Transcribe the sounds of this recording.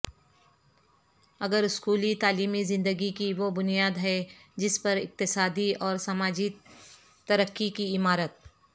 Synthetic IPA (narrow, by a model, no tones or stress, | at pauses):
ɐɡəɾʊskuːlit̪aːliːmizɪ̃nd̪əɡikiʋobʊnijaːd̪ɦɛd͡ʒɪspɐɾɪ̰q̚t̪ɪsaːd̪iɔːɾsɐmaːd͡ʒi | t̪ɐɾəkːikiɪmaːɾət̪̚